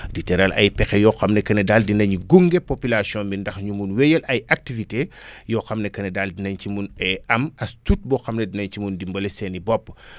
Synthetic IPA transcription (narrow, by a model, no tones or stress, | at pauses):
ditɛɾɐlʔɐ̰jpɛxɛjɔxɐmnɛkɐnɛdaldinɐɲɡuŋɡepopylasjɔ̃mbindɐxɲumunwɛjɐlʔɐjak̚tivitejɔxɐmnɛkɐnɛdaldinɐɲcimunɛɐmɐstut̚bɔxɐmnɛdinɐɲt͡ʃimundimbɐlɛsɛnibɔpː